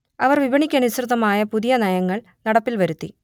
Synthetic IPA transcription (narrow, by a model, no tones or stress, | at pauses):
ɐʋɐrʋibʱɐɳikʲːaːnisrɨðɐmaːjɐpuðijɐnɐjɐŋːɐɭ | nɐɽɐpːilʋɐɾut̪ːḭ